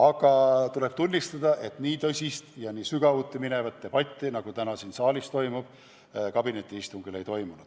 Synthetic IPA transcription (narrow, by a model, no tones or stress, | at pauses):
ɑɡ̥ɑt̪ule̞b̥̚t̪unʲːist̪ɑd̪̥ɑʔe̞t̪niːt̪ɤsʲist̪jɑniːsyɡ̥ɑvuːt̪ːimine̞vɑt̪ːe̞b̥ɑt̪ʲːinɑɡ̥ut̪ænɑsiːnsɑːlist̪o̞jmub̥ | kɑbine̞t̪ʲːˑiist̪uŋɡ̥ile̞jt̪o̞jmunud̪̥